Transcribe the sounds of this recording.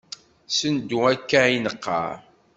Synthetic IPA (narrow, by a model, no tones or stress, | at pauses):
sənd̪uækːæinəqːɑ̰